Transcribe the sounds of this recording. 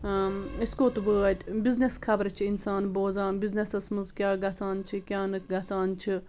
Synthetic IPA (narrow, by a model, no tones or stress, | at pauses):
iskoːt̪ʋəːɐt̪ʲbizneskʰɐbɾt͡ʃʰiinsaːnboːzãːbiznesɐsmɨzkʲjaːɡɐsaːnt͡ʃʰikʲjaːnɨkɡɐsaːnt͡ʃʰi